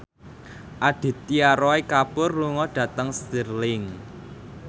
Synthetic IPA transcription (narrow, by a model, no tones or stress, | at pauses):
ʔaɖ̪̥e̤t̪ːiaɾɔekapʊrːuŋɔɖ̪̥ä̤t̪əŋst̪ərlɪŋ